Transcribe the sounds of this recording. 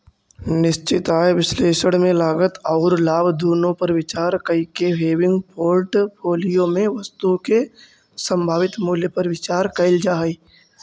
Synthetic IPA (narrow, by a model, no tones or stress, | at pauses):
nɪʃt͡ʃɪt̪aːjʋɪsleːʃəɽ̃mẽlaːɡət̪ɔːɾlaːbʱd̪uːnõpɐɾʋɪt͡ʃaːɾkɐikeʋeːʋɪ̃ŋɡpʰoːɾʈpʰoːlijõmẽʋɐst̪uke | sə̃mbʱaːʋɪt̪muːljepɐɾʋɪt͡ʃaːɾkɐɪld͡ʒaːɦiː